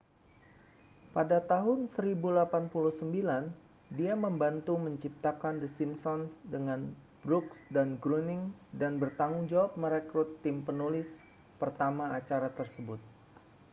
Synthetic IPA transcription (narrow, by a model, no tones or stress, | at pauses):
padat̪aɦʊnsəɾibulapanpuluhsəmbilan | diaməmbant̪uməɲt͡ʃip̚t̪akand̪əsimsɔnsdəŋan | bɾuksdanɡɾunɪŋdanbərt̪aŋʊŋd͡ʒawap̚məɾɛkɾut̪ːɪmpənulɪs | pərt̪amaːt͡ʃaɾat̪ərsəbʊt̪̚